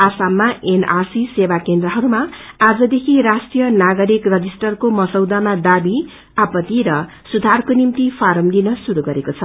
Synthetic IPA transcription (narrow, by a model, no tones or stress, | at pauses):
asamːaʔenarsisebakend̪rʌɦʌɾumaad͡zʌd̪ekʰirasʈijʌnaɡʌɾikrʌd͡zisʈʌrkomʌsʌwd̪amad̪abi | apʌt̪iɾʌ | sud̪ʱarkonimt̪ipʰaɾʌmlinʌsuɾuɡʌɾekot͡sʰʌ